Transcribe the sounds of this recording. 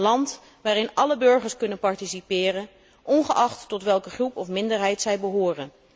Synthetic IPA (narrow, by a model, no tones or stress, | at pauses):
lɑnt | ʋaːɾɪnɑləbɵɹχəɹskɵnənpɑɹtisipɪːrən | ʔɔnχəʔɑχtːɔtʋɛlˠkəχrupɔfmɪndəɹɦɛjtsɛjbəɦoːrən